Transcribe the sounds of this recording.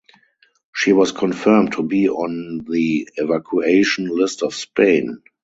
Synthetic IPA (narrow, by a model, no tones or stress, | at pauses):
ʃiːwɔskʰɔ̃nfɜ˞mtʰubiːɔ̃nðiɛvakʰueɪʃɔ̃nlɪstɔfspʰẽɪ̃n